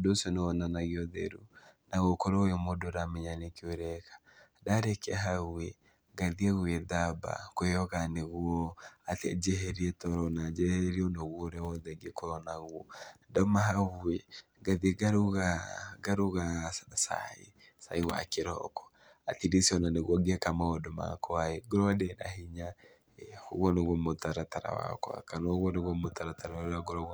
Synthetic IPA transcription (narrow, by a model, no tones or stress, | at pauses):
dosjɔnɛɔnanaɣiɔðɛ̰ɾṵnaɣokɔɾoɛmodoɾameɲanekioɾɛkḁ | daɾɛkɛɦaɣue | ɡaðiaɣweðaba̰koejɔɣaneɣuɔatɛ̰d͡ʒɛɦɛɾiɛtɔɾɔnad͡ʒɛhɛɾiɔnaɣwɔɾɛwɔðɛɡekɔɾɔnaɣuɔ̰dɔmaɦaβue | ɡaðeɡaɾuɣaɡaɾuɣassa̰ḭ | sa̰iwa̰keɾɔkɔ̥ | atidisiɔnaneɣwɔɡeɛkamaɔdɔma̰kɔaeɡoɾɔdɛna̰hiɲa | hoɣwɔneɣwɔmotaɾataɾa̰wa̰kwa̰kanɔɣwɔneɣwɔmotaɾataɾaɾaɡɔɾɔɣ